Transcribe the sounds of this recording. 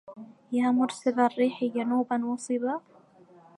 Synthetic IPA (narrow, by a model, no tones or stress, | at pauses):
jaːmʊɾsɪðarːiːħid͡ʒanuːbanwɑsˤɨba